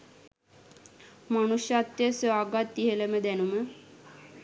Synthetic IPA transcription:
manuʃjat̪ːjəsaːɡat̪ːiɦələməd̪ænumə

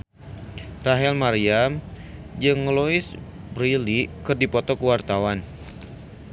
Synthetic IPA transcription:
raɦɛlmaɾiam | d͡ʒəŋːəlois | brilikɨrdipɔt̪ɔkəwart̪awan

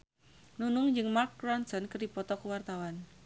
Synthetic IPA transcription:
nunʊŋd͡ʒɨŋmark̚ːɾansɔnkərdipɔt̪ɔkuwart̪awan

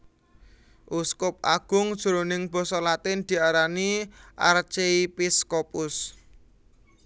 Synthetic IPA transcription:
ʔuskʊp̚ʔaɡ̥ʊ̤ŋd̥ʒ̥uɾonɪŋb̥ɔ̤sɔlat̪ɪnd̪̥i̤aɾaniʔart͡ʃeipiskopʊs

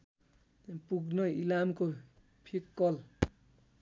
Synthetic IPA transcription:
puɡnʌilamko | pʰikːʌl

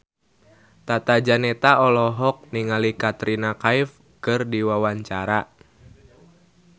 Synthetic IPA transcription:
t̪at̪ad͡ʒanɛt̪aɔlɔɦɔk̚niŋalikat̪ɾinakaif | kɨrdiwawaɲt͡ʃaɾa

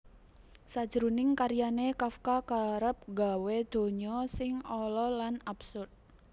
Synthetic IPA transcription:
sad̥d͡ʒ̥əɾunɪŋkaɾijanekafkakaɾəp̚ɡawed̪̥o̤ɲɔsɪŋɔlɔlanabsʊrd̪̚

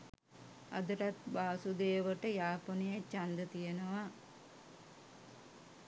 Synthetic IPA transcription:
ɐ̰d̪ɐɾat̪baːsud̪eːʋəʈəjaːponijat͡ʃand̪ət̪ijenəʋa

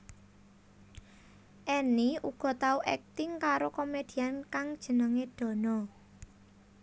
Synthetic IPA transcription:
ʔɛniuɡ̥ɔ̤t̪auʔɛk̚t̪ɪŋkaɾokomed̪̥i̤ankaŋd̥ʒ̥ə̤nəŋed̪̥ɔ̤nɔ

